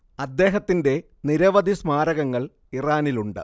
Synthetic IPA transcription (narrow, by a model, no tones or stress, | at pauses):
ɐd̪ːe̞ːɦɐt̪ːinde̞ | niɾɐʋɐd̪ʱismaːɾɐɣɐŋːɐɭ | iraːniluɳɖɨ̰